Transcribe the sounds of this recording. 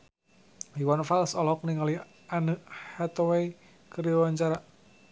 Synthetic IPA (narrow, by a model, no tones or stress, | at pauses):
hiwanfalsɔlɦɔk̚niŋali | anəhɛt̪ɔwej | kəɾjɔwaɲt͡ʃaɾa